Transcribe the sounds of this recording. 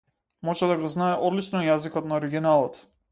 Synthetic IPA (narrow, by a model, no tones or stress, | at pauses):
mɔʒɛd̪aɡɔznaɛʔɔd̪lit͡ʃnɔjazikɔt̪naɔɾiɡinalˠɔt̪